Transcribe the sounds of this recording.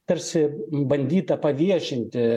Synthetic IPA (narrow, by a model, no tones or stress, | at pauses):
t̪ɐɾʲsʲɪbɐnʲd̪ʲiːt̪ɐpɐʋʲiɛʃʲɪnʲt̪ʲɪ